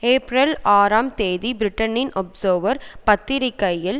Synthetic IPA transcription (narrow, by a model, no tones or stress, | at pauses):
eːpɾɐlaːɾaːmt̪eːðibɪɾɪʈːɐnɪnʔɔpsoːʋɐɾpɐt̪ːɪɾɪkːɐjjːɪl